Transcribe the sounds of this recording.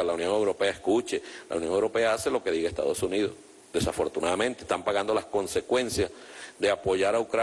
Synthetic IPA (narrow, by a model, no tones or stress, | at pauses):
alaunjo̞ŋe̞wɾo̞pe̞aeskut͡ʃe̞la̰unjo̞ŋe̞wɾo̞pe̞aase̞lo̞ke̞ðiɣaest̪a̰ð̞osuniðo̞̰s | d̪e̞safo̞ɾt̪unaðament̪est̪ampaɣand̪o̞lasko̞nse̞kwe̞nsjasðe̞apoʝaɾaukɾa